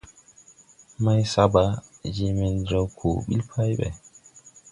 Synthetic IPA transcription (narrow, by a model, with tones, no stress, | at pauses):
ma˦jsaba˨d͡ʒi˦mɛ˨nd͡ʒa˦wkʰo˨ɓḭ˦lpʰa˦jɓɛ̰˨